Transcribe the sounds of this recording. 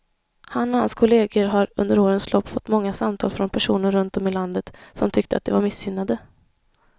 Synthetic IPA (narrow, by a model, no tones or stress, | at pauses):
hanːɔhanskʰʊleːɡəɾɦaɾɵ̰nd̪əɾoːɾənslʔɔpːfɔt̪ːmɔŋːasamt̪ʰɑ̰ːlfɾɔnpʰæʂuːnəɾːɵnt̪ɔmɪland̪ət̪sɔmt̪ʰʏk̚t̪əa̰t̪̚d̪ɛvaɾmɪsːʏnːad̪ə